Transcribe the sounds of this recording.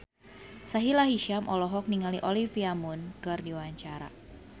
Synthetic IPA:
saɦilaɦiʃamʔɔlɔɦɔk̚niŋaliʔɔlifiamunkɨrdiwaɲt͡ʃaɾa̰

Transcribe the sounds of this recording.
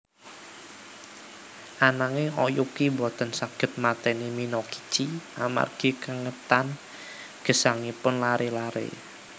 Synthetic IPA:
ʔanaŋeɔjukibɔt̪ənsaɡ̥ə̤t̪̚mat̪ɛniminɔki̥t͡ʃiʔama̰rɡ̥i̤kəŋət̪an | ɡ̥ə̤saŋipʊnlaɾelaɾḛ

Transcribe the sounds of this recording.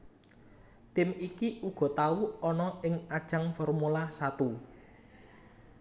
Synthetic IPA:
t̪ɪmikiuɡ̥ɔ̤t̪auɔnɔɪŋad̥ʒ̥a̤ŋfɔrmulasat̪u

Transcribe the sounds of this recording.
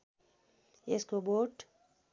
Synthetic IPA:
eskoboːʈ

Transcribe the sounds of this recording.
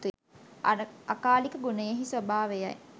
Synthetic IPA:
akaːlikəɡunəjeɦisʋɐbʱaːʋeja̰j

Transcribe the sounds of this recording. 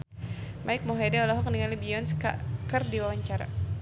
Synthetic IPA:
mʔaɪk̚mɔɦɛdɛɔlaɦɔkniŋalibiɔnskakərdiwawaɲt͡ʃaɾa̰

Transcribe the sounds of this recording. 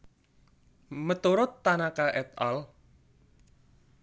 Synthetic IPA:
mət̪uɾʊt̪ːanakaʔɛt̪a̰l

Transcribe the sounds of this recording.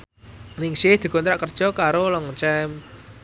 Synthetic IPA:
nɪŋsɪhd̪̥i̤kɔnt̪ɾaʔkərd̥ʒ̥ɔ̤kaɾolɔŋt͡ʃɛm

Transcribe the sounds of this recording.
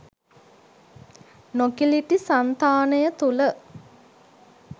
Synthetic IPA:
nokiliʈisant̪aːnəjət̪ulə

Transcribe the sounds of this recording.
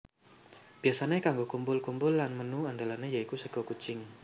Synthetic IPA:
b̥iasanekaŋɡokumbʊlkumbʊlːanmənuandalanejaikusəɡ̥okut͡ʃɪŋ

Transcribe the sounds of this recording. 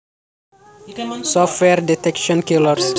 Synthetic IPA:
sɔftwɛɾdɛtɛkʃɔ̃nkilɔɾs

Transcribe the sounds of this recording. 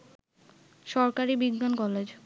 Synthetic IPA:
ʃɔɾkaɾibiɡnankɔled͡ʑ

